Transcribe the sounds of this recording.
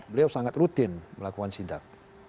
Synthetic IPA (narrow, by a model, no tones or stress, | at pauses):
bəliawsaŋat̪rut̪ɪnməlakukansidak̚